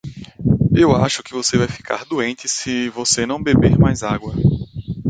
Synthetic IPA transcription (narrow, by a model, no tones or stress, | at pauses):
ewa̰ʃʊkɪvosevajfi̥kʰa̰ɾd̪uẽnt̪ɪsɪvosenɐ̃w̃bebeɾmajzaɡwɐ